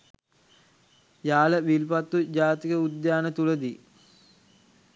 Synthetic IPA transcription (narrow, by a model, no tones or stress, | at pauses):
jaːləʋilpat̪ːud͡ʑaːt̪ikəud̪jaːnət̪uləd̪i